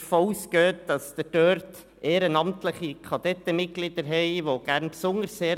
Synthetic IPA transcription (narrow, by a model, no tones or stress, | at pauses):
fouːskøːtd̥ɑsd̥əd̥øːɾtt | ʔeːɾənɑmt̪ləχikʰɑd̥̪ɛt̪ːəmɪt̚ɡ̥lid̥̪əɾɦɛɪʋoɡ̥æɾnpsʊnəɾsːeːɾ